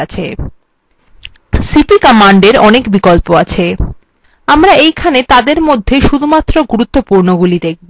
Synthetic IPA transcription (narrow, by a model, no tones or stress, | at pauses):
at͡ɕʰe | sipikɔmaɳɖeɾɔnekbikolpoat͡ɕʰe | amɾaejkʰanet̪ad̪eɾmod̪ʱːeʃud̪ʱumat̪ːɾoɡuɾut̪ːopuɾnoɡulid̪ek̚ʰbo